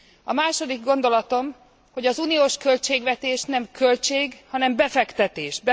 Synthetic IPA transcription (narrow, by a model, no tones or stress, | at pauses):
ɒmaːʃo̞d̪iɡɡo̞nd̪o̞lɒt̪o̞m | ho̞ɟɒzuːnijoːʃkø̞lt͡ʃeːɡʋɛt̪eːʃnɛmkʰølt͡ʃeːɡhɒnɛmbɛfɛkt̪ɛt̪eːʃbɛ